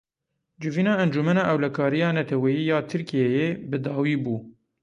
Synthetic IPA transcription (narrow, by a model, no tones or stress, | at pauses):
d͡ʒɪviːnɑːɛnd͡ʒumɛnɑːʔɛwlɛkʰɑːɾijɑːnɛt̪ʰɛwɛjiːjɑːt̪ʰɨɾkijejeːbɨd̪ɑːwiːbuː